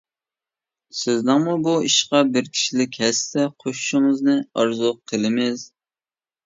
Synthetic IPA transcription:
sɪznɪŋmubuiʃqɑbɪɾkʲʰi̥ʃilɪkʲhɛst̪ɛqʰoʃu̥ʃʊŋɨznɨɑ̰ɾzʊqʰəlˠɪmɪz

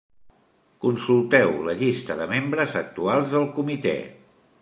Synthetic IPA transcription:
kunsulˠt̪ɛwləʎist̪əðəmembɾəzək̚t̪ualˠzðəlˠkumit̪ɛ̰

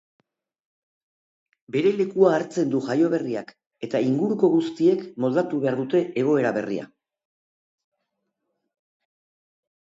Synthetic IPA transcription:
be̞ɾe̞le̞kuaːɾt͡se̞nd̪uʝajo̞β̞e̞riak | e̞t̪aiŋɡuɾuko̞ɣust̪ie̞kmo̞ld̪at̪uβe̞aɾðut̪e̞ʔeɣ̞o̞e̞ɾaβe̞̰rḭa̰

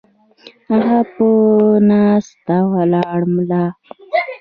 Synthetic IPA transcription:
aɣaponast̪awalɑɽmla

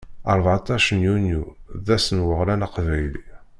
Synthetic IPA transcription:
əɾˤvʕat̪ˤɑʃənjunjuðæsənwəʁlænaqvæjli

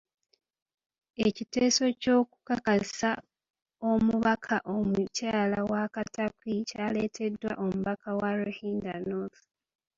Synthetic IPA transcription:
e̞citeːso̞co̞ːku̥kakasa | o̞muβakʰaʔo̞mucaːlawakatakicaːle̞ːtʰe̞dwa̰ʔo̞muβakʰawaɾuhiːndanoθu̥

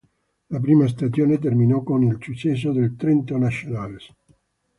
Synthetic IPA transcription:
lap̬ɾiːmas̬t̪asjoːnet̪̬erminɔkonilsut͡ʃːɛs̬ːod̪elt̪ɾent̪onasjonales

